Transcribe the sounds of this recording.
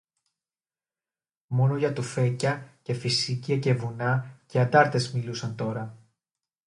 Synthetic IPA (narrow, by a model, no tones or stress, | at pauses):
mo̞no̞ʝɐt̪ufe̞cɐce̞fisiciɐce̞vunɐce̞ɐnd̪ɐɾt̪e̞zmilusɐnt̪o̞ɾɐ